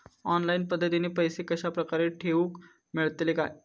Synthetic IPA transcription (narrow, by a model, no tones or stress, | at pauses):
ɔnlainpəd̪ʱːət̪inepəjsekəɕapɾəkaɾeʈʰeʋuːk | miɭt̪leka̰j